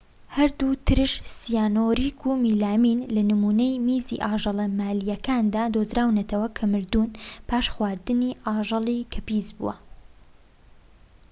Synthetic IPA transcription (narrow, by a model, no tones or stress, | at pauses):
hɐɾd̪ut̪ʰɨɾɨʃsijaːnoːɾiːkʰumiːlaːminlɐnɨmuːnejmiːzḭʔɑːʒɑlˠɐmaːlijɐkʰaːnd̪aːd̪ozɾaːwnɐt̪ʰɐwɐkʰɐmɨɾd̪unpaːʃxwaːɾd̪ɨniːʔɑːʒɨlˠikʰɐpiːzbṵwɐ̰